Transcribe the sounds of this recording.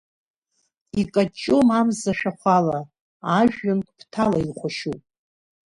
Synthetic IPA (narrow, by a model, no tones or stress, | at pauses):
ikʼat͡ʃʼːomamzaʃᶣaχʷala | aʒᶣːankʷʼpʰtʰalailχʷaʃupʼ